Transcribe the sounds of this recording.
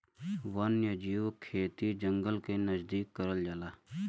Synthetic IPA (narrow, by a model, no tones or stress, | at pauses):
ʋɐnjɐd͡ʒiːwkʰeːt̪id͡ʒəŋɡəlkenəzd̪iːkːəɾəld͡ʒalaː